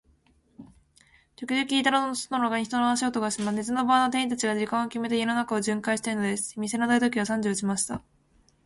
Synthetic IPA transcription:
t͡ɕokʲɨʑokʲiːt̪aɾanonosnonoɡaɲʲiçi̥t̪onoaɕiɡot̪o̞ɡaɕimanet͡sɨno̞baːno̞t̪e̞ĩt̪at͡ɕiɡad͡ʑikãɰ̃o̞kʲime̞t̪e̞jononakao̞d͡ʑɨ̃ŋkaiɕi̥t̪eɯno̞d̪e̞sɨ̥mʲise̞nad̪ai̟t̪̬o̞kʲiβ̞asãɲ̟d͡ʑoːt͡ɕimaɕi̥t̪a

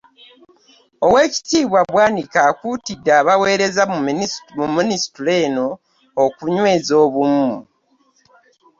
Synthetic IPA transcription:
o̞we̞ːci̥tiːβwaβwaːnikakutidːaːβawe̞ːɾe̞za | muminisi̥tuleːno̞ː | kuɲwe̞ːzo̞ːβumu

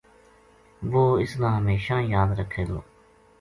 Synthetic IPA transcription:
ʋoːɪsnãːɦəmeːʃãːjaːd̪ɾəkʰːeːd̪oː

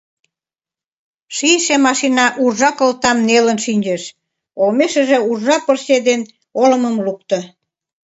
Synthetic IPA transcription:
ʃiʃemɑʃinɑʔurʒɑkəlt̪ɑmnelənʃinʲd͡ʑeʃ | olmeʃə̆ʒĕurʒɑpərsed̪en | olə̆mə̆mluk̚t̪ə̆

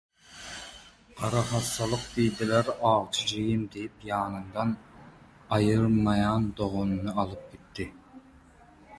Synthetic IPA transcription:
qʰɑɾɑχɑsːɑlˠəq̚d̪ijd̪ɪlæɾɑːʁˠt͡ʃʰid͡ʒejimd̪eipjɑːnɨnd̪ɑn | ɑjɨɾmɑjɑnd̪oʁonɨnɨɑlˠɨp̚kʲet̪ʰːɪ

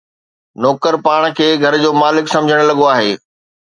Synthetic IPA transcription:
nɔːkəɾpaːɽ̃kʰeːɡʱɐɾd͡ʑoːmaːlɪksɐ̃md͡ʑʱəɽ̃lɐɠoaːɦeː

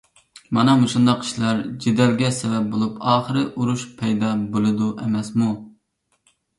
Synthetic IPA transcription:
mɑnɑmuʃund̪ɑqi̥ʃlɑɾd͡ʒed̪ɛlɡʲɛsɛvɛp̚bolˠupʰɑːχəɾɨʔuɾuʃpʰɛjd̪ɑbolˠɨd̪uʔɛmɛsmu

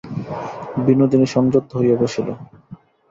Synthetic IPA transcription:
binːod̪ineʃɔŋd͡ʑot̪ːoɦojɔbeʃʰilo̰

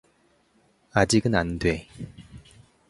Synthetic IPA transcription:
ad͡ʑiɡɯnandwe̞

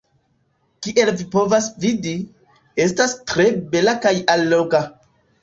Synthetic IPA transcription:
kiʔe̞lvipo̞vasvidi | e̞stastɾe̞be̞lakajalːo̞ka

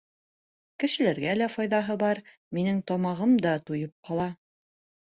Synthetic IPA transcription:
kɘ̆ʃɘ̆læɾɡælæfɒjðɑɦɤbɑɾ | minɘŋt̪ɒmɑʁɤmd̪ɑt̪ujɤp̚qɑlˠɑ

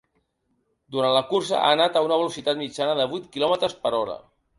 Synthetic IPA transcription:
d̪uɾant̪ləkursə̰ʔa̰nat̪əunəβ̞əlusit̪at̪mid͡ʒanəðəβujt̪kilɔmət̪ɾəspəɾɔɾə̰

